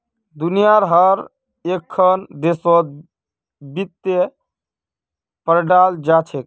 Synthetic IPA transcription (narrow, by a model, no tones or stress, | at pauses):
d̪unijaɾɦəɾ | ekʰːənd̪esɔd̪̚ | bit̪ːe | pəɾɖald͡ʒat͡ʃʰek̚